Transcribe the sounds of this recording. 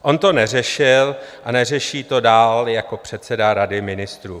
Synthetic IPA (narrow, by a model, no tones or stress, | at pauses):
ʔo̞nt̪o̞nɛr̝ɛʃɪlʔanɛr̝ɛʃiːt̪o̞daːljako̞pr̝̥ɛt̪t͡sɛdaɾadɪmɪnɪst̪ɾuː